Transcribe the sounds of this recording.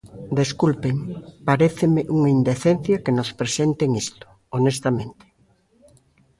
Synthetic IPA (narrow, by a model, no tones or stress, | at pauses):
d̪eskulpeŋpaɾeθɪmeʔuŋaind̪eθenθjɐkenospɾesent̪eŋist̪ʊ̥ | onest̪amẽnt̪e̥